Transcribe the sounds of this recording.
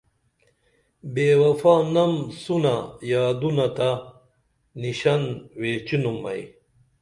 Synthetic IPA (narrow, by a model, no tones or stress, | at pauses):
beːwɐfaːnɐmsunajaːd̪unɐt̪a | niɕɐnweːt͡ɕunumːɐ̰j